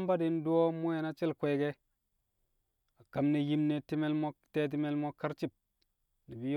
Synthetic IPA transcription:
mba˦di˦n˦du˦o˦mo˦e˨na˦t͡ʃi˦lkʷe˨˦ɡe˦ | a˨ka˨mne˨ji˦mne˨ti˦me˦lmo˦te˦t̬i˦me˦lmo˦ka˦ɾt͡ʃi˦p̚ | ni˨bi˦j

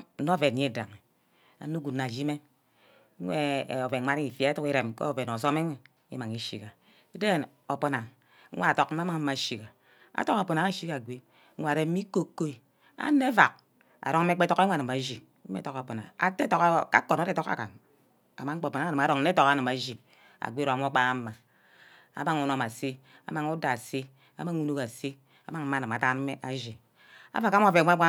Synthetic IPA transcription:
o˦˨ve˨ɲe˦˨da̰˨ŋe˨ | a̰˨no˦ɡu˨nːa˨d͡ʒi˦me˦ | e˦˨o˨ve˨a˦ɾi˦i˨fa˨˦tu˦ki˦ɾe˨mko̰˦˨ve˨n˨o˨s̬o˦me˦ŋʷe˨ | ḭ˦ma˨ŋi˨ʃḭ˨ka˨˦ | de˦˨n | o˨po˨na˨ŋʷ˦ | a˦a˨to˨k̩˦ma˦ma˦ŋ˦m̩˦ma˨ʃi˨ka˨ | a̰˨˦to˦ka˨po˨na˨ŋa˦˨ʃi˦ka˨ɡʷe˦ | a˨ɾe˨˦i˦ko˦kːo˦i˦ | a̰˦ne˦va˨k̚ | a̰˨ɾo˦ŋ̩˦me˦k͡pe˦to˦ke˦a˨ɨ˨ma˨d͡ʒi˨˦ | ḛ˦to˦ka˨po˨na̰˨a̰˨te˦to˨kka˦ko˨na˨˦te˦˨to˦ka̰˨ka̰˨n | a˨ma˦ŋ͡m̩˦k͡po˨po˨n˨˦a˨ɨ˨a˨ɾo˨ŋ̩˦e˦o˨ka˦nɨ˨ma˨ʒi˨ | a̰˨ɡʷe˦ɾo˨a˨m˦o˦k͡pa˦a˦ma˨ | a̰˨˦ma˦ŋu˨˦no˦˨ma˨se˦ | a̰˨˦ma˨ŋu˦da˨se˦ | a̰˦ma˦ŋu˦nu˦ka˨se˦ | a̰˦ma˦ŋ̩˨˦a˦˨nɨ˨ma˨ta˦n˦e˦ʔa˨ʒi˨ | a̰˦va˨ka˦o˦˨ve˨˦a˦a˦

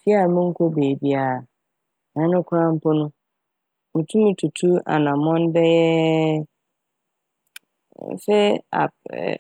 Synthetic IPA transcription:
tʰi˦a˦˨mʊ̃˦ŋ̩˦kʰo˦beː˨bi˦a˨ | nã˨˦nʊ̃˦kʰɾã˦m̩˦pʰɔ˦nʊ̃˦ | mʊ̃˨tʰũ˦mʊ̃˦tʰu˨tʰu˦a̰˨nã˨mɔ̃˦n˦bɛ˦jɛ˦˨ | sɛ˦a̰˨

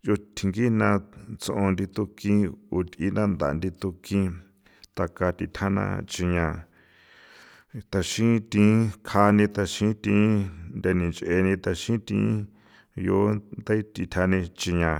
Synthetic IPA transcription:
jo˧t̪ʰi˨˧ŋɡi˦nã˧t͡sõ˧ʔõ˧nd̪i˧t̪u˧kĩ˦u˧t̪i˧nã˦˧nd̪a̰˨nd̪i˧t̪u˧kĩ˧ | t̪a˧ka˧t̪i˧˨t̪ʲʰa˦nã̰˧t͡ʃi˧ɲã˧ | t̪a˧ʃĩ˦t̪ĩ˧˦kʰa˧nĩ˧t̪a˧ʃĩ˦t̪ĩː˧˦nd̪a˧nĩ˨nt͡ʃʔe˧nĩ˧t̪a˧ʃĩ˦t̪ḭ̃ː˧˦ | jo˨˦nd̪a˦t̪i˧t̪ʰa˧nĩ˧t͡ʃi˧ɲã˧

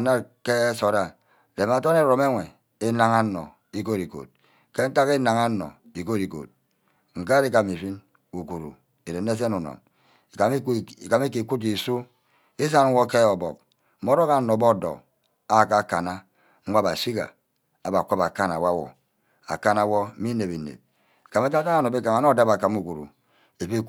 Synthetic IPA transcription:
na˦ke˦so˨ɾa˨ | de˨m˨a˨to˦ne˦ɾo˨m˦e˦ŋʷe˨ | e˦na˨ŋa˦nɔ̰˨ | i˦ko˦ɾi˨ko̰˨t̚ | ke˦ŋ̩˦ta˦ki˦na˨ŋa˦nɔ̰˨ | i˨ko˦ɾi˨ko̰˨t̚ | ŋ̩˨ka˦ɾi˦ka˨mi˨fi˦n | u˨ku˨ɾṵ˨ | e˨ɾe˨n˦e˦s̬e˦nu˨nɔ̰˨n˨˦˨ | ka˨mi˦ki˨ku˦t̬i˨su˦ | i˦s̬a˦n˦wo˦ke˦ɔ˨bɔ̰˨k̚ | mo˦ɾo˦ka˨˦nɔ˨bɔ˦˨dɔ̰˨ | a˦˨ka˦˨ka˨na˦ | ŋ̩ʷ˦a˦ba˨si˦ɡa̰˨ | a˨ba˨ko˦ba˨ka˦na˨wa˦wɔ̰˨ | a̰˨ka˦na˨wɔ˦mi˦ne˨bi˨nḛ˨b̚ | i̥˨ka˨me˦ka˦ka˦a˦no˨be˦ka˨ma˨˦nɔ˦˨da˦ba˨ka˨mu˦˨ku˨ɾṵ˨ | e˨fi˦

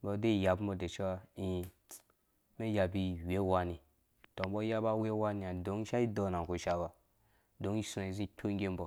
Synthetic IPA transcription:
bɔ˨de˦i˨ja˨bu˦bɔ˨de˨t͡ʃi˦wa˦i˦˨ | me˦ja˨bi˦˨we˦wa˦ni˨ | to˨˦bɔ˦ja˦ba˦we˦wa˦ni˨ja˨do˨˦ŋ˦ʃa˦i˦do˨na˨ko˨ʃa˦ba˨ | do˦ŋi˦sna˨i˨zi˦tʰo˦ŋ˦ɡʲe˦m˦bɔ˨

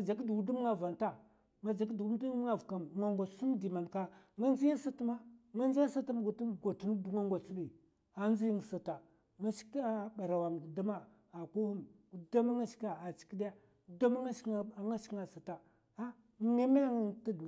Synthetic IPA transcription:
a˨d͡ʒa˨kdu˨ɡu˨du˦m˦a˨va˨nta˦ | ŋa˨d͡ʒa˨kdu˨˦du˦ŋa˦vka˨mŋa˨ŋɡa˨˦su˦mdi˨ma˨nka˦ŋa˦nzi˦ji˦sa˦tu˦ma˦ŋa˦nd͡ʒa˦sa˦ta˦m˦ɡo˨tu˦nɡo˨tu˦n˦du˨ŋa˦ŋɡʷa˨t͡su˦ɗi˨ | a˦nd͡zi˦ji˦ŋ˨sa˨ta˨ | ŋa˦ʃi̥˦ka˦ɓa˨ɾa˨wa˨ŋ˨da˦ma˦ | a˨ku˦hu˦m | u˨da˦ma˦ŋa˦ʃi̥˦ka˨a˨t͡ʃi̥˨ki˦dja˦˨ | da˦ma˦ŋa˦ʃŋa˦ʃŋa˨sa˨ta˨ | a˦ | ne˦ma˦ŋa˦nta˦d

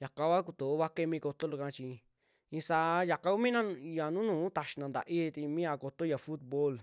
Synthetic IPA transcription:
ja˨ka˧βa˦k̬u˧t̪o˨o˦βa˦ke˦˧mĩ˧ko˧t̪o˦lu˧kã˧t͡ʃi˧ | ĩ˧sa˧˦ja˨ka˧ku˦mĩ˦nã˦ja˨nũ˦nũː˨˦t̪a˧˨ʃi̥˧nã˧nd̪a̰˨ʔi˦˧t̪i˧mĩ˦a˧ko˧t̪o˦ja˨fu˦t̪̚bo˦l

